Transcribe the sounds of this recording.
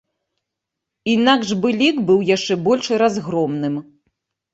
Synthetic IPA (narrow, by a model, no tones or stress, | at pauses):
inaɡʐbɨlʲikbɨwjaʂt͡ʂɛbɔlʲʂɨɾazɣɾɔmnɨm